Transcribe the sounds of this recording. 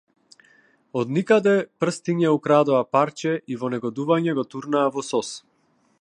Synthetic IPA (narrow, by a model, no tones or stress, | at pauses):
ɔd̪nikad̪ɛpr̩st̪iɲɛukɾad̪ɔapaɾt͡ʃɛʔivɔnɛɡɔd̪uvaɲɛɡɔt̪uɾnaːvɔsɔs